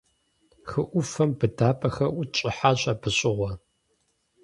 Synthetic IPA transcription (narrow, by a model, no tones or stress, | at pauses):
xɨʔʷʊfɐmbɨdaːpʼɐxɐʔʷʊt͡ʃʼɪħaɕʼɐbɨɕʼɪʁʷɔ